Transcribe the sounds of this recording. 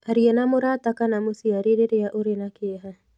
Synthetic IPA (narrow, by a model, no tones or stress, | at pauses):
aɾiɛnamʊɾat̪akanamusiaɾiɾeɾeaʔuɾenakeɦa